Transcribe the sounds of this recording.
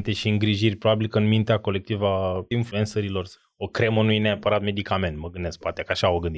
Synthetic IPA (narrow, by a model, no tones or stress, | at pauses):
nt̪eʃiɨŋɡɾiʒirʲpɾo̞babilkəɨnmint̪eako̞le̞k̚t̪ivainflue̞nsəɾilo̞r | okɾe̞munujneapəɾat̪me̞d̪ikame̞nt̪məɡɨnd̪esk̚poat̪ekəaʃaoɡɨnd̪i